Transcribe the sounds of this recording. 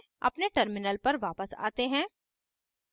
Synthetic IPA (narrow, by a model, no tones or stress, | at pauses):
ɐ̰pneʈəɾmɪnəlpɐɾʋaːpəsa̰ːt̪eɦɛ̃ː